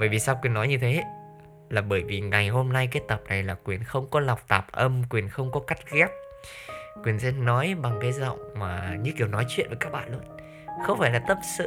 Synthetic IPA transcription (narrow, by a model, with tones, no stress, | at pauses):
ɓəː˧˩jvi˨˩saː˧wkwi˨˩ənːɔ˨˦jɲɨ˧t̪ʰe˨˦ | laː˨˩ɓəː˧˩jvi˨˩ŋa˨˩jɦo˧mna˧jkaː˦˥t̚t̪ə˨˩p̚na˨˩jlaː˨˩kwi˨˩ənxə˧wŋ͡mkɔ˨˦la˨˩wk͡p̚t̪aː˨˩p̚ʔə˧mkwi˨˩ənxə˧wŋ͡mkɔ˨˦ka˦˥jt̚ɣɛ˦˥p̚ | kwi˨˩ənsɛ̰˧˥nɔ˨˦jɓa˨˩ŋkaː˨˦jzə̰˧˨wŋ͡mmaː˨˩ɲɨ̰˧˥ki˨˩əwnɔ˨˦jt͡ɕwḭ˧˨nvəː˨˦jkaː˦˥k̚ɓa̰ː˧˨nlu˧˦ən | xə˧wŋ͡mfaː˧˩jlaː˨˩t̪ə˦˥p̚sɨ̰˧˨